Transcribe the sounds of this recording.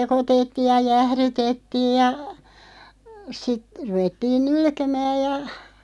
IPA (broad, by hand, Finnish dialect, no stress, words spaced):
sekotetːiːj jɑ jæhrytetːiːj jɑ sit ruʋetːiːn nulkemæːj̆ jɑ